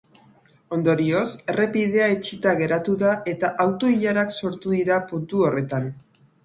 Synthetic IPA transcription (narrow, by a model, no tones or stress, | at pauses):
o̞nd̪o̞ɾio̞se̞re̞piðe̞aet͡ʃit̪aɣ̞e̞ɾat̪uðaʔe̞t̪aʔawt̪o̞iʎaɾakso̞ɾt̪uðiɾapunt̪uo̞re̞t̪an